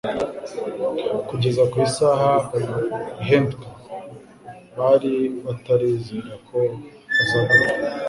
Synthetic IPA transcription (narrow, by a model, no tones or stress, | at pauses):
kuɟe̞zakwiːsaːɦa | iɦento | βaɾiβataɾiːziɾakʰo̞ | azaβaɾa